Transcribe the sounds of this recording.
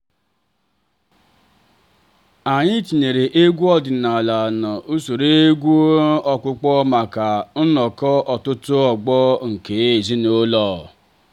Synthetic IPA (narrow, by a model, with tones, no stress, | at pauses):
a˨ɲɪ˦t͡ʃi˨ne˨ɾe˨ʔe˦ɡʷu˦ɔ˦dɪ˨na˨la˨na˨ʔu˦so˨ɾe˦e˦ɡʷu˦ɔ˦kʊ˦k͡pɔ˦ma˨ka˨n̩˦nɔ˨kɔ˦ʔɔ˨tʊ˦tʊ˦ɔ˨ɡ͡bɔ˦ŋ̩˨ke˨˦e˦˨zi˦no˦lɔː˦˨